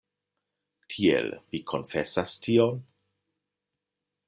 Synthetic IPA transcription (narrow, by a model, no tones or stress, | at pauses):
tʰiḛlvikʰonfɛsastʰion